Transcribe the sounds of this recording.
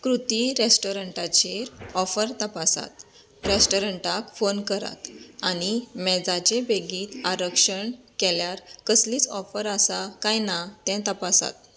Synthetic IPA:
kɾut̪iɾesʈoɾəɳʈat͡ɕeɾɔfəɾt̪əpasa̰t̪ | ɾesʈoɾəɳʈakfonkəɾa̰t̪animɛd͡zat͡ɕebeɡiːt̪aɾəkʂəɳkɛljaɾkəsliːt͡sɔfəɾasakajnat̪ɛ̃t̪əpasa̰t̪̚

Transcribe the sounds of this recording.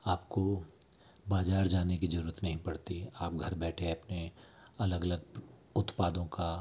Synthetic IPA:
aːpko | baːzaːɾd͡ʒaːnekizɐɾuːɾət̪nɐɦĩpɐɽt̪iaːp̚ɡʱɐɾbɛːʈʰeɐpne | ɐləɡɐləɡ | ʊt̪paːd̪õka

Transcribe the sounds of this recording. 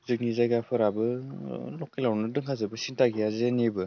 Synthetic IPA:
zɯk̚nizajɡapʰɯɾabɯlɔk̚ːilawnɯdɯŋkʰazɯbɯsintaɡijazenebɯ

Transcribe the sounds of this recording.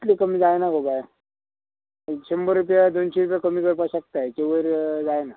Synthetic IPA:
t̪likəmiːd͡zajnakobaj | t͡ɕəmbəɾːupjad̪onɕeɾup̬jakəmiːkəɾpaɕək̚t̪ajkeʋəɾd͡zajna

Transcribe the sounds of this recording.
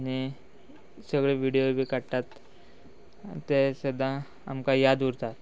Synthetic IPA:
añi | səɡɭeʋiɽijobʱiːkaɽʈ̪at̪ | esəd̪ã | a̰mkajad̪uɾt̪at̪

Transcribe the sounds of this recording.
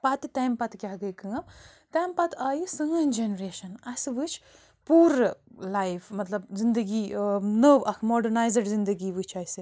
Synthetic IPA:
pɐt̪it̪ajmpɐt̪kʲaɦɡɐjkɨŋɐmt̪ɐːmpɐt̪ʰaːjisɨŋɐnd͡ʒenɾeːʃɐnɐsʋɨt͡ʃʰ | puːɾlajfʰmɐt̪lɐbzind̪ɐɡinəʋɐkʰmoɖɐɾnaːjzɐɖzind̪ɐɡiʋɨt͡ʃʰɐisi

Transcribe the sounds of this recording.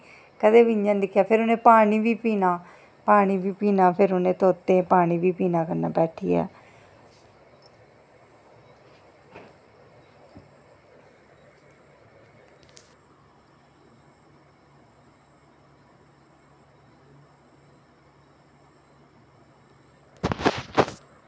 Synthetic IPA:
kəd̪eːʋɪɲd͡ʒãːnd̪ɪkʰːjaːpʰɪɾʊnẽːpaːɳ̃iːʋiːpiːnaː | paːɽ̃iːʋiːpiːnaːpʰɪɾʊnẽːt̪oːt̪ːẽːpaːɽ̃iːʋiːpiːnaːkəɾna̰ːbɛːʈʰḭːa̰ː

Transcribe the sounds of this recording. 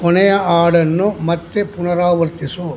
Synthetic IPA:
kɔnɐjɐaːɽɐnːomɐt̪ːepʊnɐɾaːʋɐɾt̪ɪso

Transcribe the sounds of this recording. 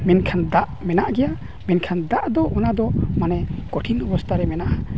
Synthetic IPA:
mɛnkʰand̪aʔmɛnaʔɡɛja | mɛnkʰand̪aʔd̪ɔʔɔnad̪ɔmanɛkɔʈʰiŋɔbɔst̪ʰaɾɛmɛnaʔa

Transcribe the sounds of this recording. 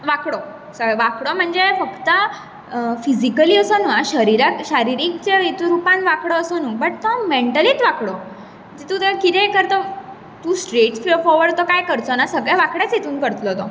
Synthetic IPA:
ʋakɽo | səʋakɽɔm̤əɳd͡zefəkt̪ə | fizikəliːəsɔnuaɕəɾiɾakɕaɾiɾikt͡ɕeit̪ɾupanʋakɽɔːsonubəʈ̚t̪ɔmeɳʈəliːt̪ʋakɽo | d͡ʑit̪ut̪əkit̪ɛ̃kəɾt̪ɔ | t̪ũsʈɾeʈsflofɔɾʋəɽt̪ɔkajkəɾt͡sonasəɡɭɛʋakɽjat͡set̪uːnkəɾt̪lɔt̪ɔ

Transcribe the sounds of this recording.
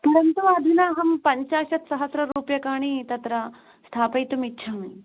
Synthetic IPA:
pɐɾɐnt̪uɐd̪ʱinaːɦɐmpɐɲt͡ɕaːɕɐt̪sɐɦɐsɾɐɾuːpjɐkaːɽ̃iːt̪ɐt̪ɾɐ | st̪ʰaːpɐjt̪umitːɕʰaːmɐ

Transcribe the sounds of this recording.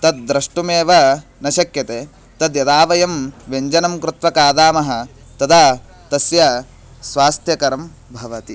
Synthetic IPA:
t̪ɐd̪̚ːɾɐʂʈumeːʋɐnɐʃɐkjɐt̪eː | t̪ɐd̪jɐd̪aːʋɐjɐmʋeɲd͡ʒɐnɐmkɾɪt̪ʋɐkaːd̪aːmɐɦɐ̆ | t̪ɐd̪aː | t̪ɐsjɐ | sʋaːst̪ʰjɐkɐɾɐm | bʱɐʋɐt̪i

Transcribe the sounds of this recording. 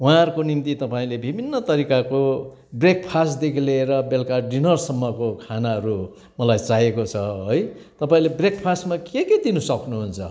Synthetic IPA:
wãʌɾkonimt̪it̪ʌpaĩlebʱibʱinːʌt̪ʌɾikako | brek̚pʰasʈd̪ekʰileːɾʌbelkaɖinʌrsʌmːʌkokʰanaʌɾu | mʌlajt͡saɦekot͡sʰʌɦojt̪ʌpaĩlebrekpʰasʈmakeked̪inusʌknuɦunt͡sʰʌ̰

